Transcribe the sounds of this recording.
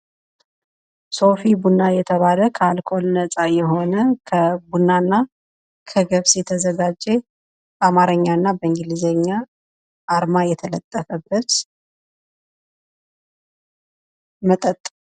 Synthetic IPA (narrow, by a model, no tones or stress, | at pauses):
so̞fibunːajɛt̪ʰəβaləkʰəalkʰo̞lnəsʼajɛɦo̞nəkʰəbunːanːa | kʰəɡəβsjɛt̪ʰəzəɡad͡ʒːe̞ | amaɾəɲːaɨnːabəɨŋɡɨlizəɲːa | ʔːɾmajɛt̪ʰələt̪ʼːəfəbːət̪ | mət̪ʼət̪ʼː